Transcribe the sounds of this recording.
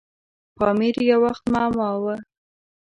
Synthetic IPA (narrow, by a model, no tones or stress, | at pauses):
pɑmiɾjawaxt̪mɑmɑwə